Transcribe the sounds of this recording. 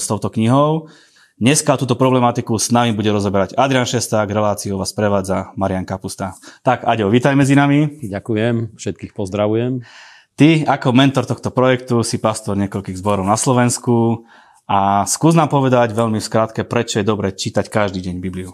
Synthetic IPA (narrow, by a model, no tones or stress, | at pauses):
st̪ɔʊt̪ɔkɲiɦɔʊ | ɲɛskat̪uːt̪ɔpɾɔblɛmat̪ikusnaʋimbuɟɛɾɔzɔbɛɾaɟad̪ɾianʃɛst̪aɡɾɛlaːt͡siuʋaːspɾɛʋaːd͡zamaɾɪaŋkapust̪at̪akaɟɛɔʋiːt̪ajmɛd͡zinamiɟakujɛmfʃɛt̪̚kiːxpɔzd̪ɾaʋujɛm | t̪iakɔmɛnt̪ɔɾt̪ɔxt̪ɔpɾɔjɛkt̪usipast̪ɔɾɲɪɛkɔʎkiːɣzbɔɾɔʊnaslɔʋɛnsku | askuːznaːmpɔʋɛd̪aɟʋɛʎmifskɾaːt̪kɛpɾɛt͡ʃɔjɛd̪ɔbɾɛt͡ʃiːt̪ackaʒd̪iːɟɛɲbibliu